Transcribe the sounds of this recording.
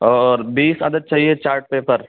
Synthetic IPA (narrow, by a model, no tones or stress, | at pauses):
ɔːɾbiːsə̰d̪əd̪̚t͡ʃaːɦiet͡ʃaːɾʈ̚peːpəɾ